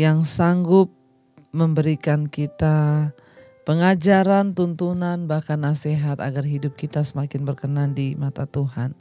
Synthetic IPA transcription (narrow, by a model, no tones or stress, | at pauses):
jaŋsaŋɡʊp̚ | məmbəɾikankit̪a | pəŋad͡ʒaɾant̪unt̪unanbahkanːaseɦat̪a̰ɡarɦidʊp̚kit̪asəmakɪnbərkənandimat̪at̪uɦan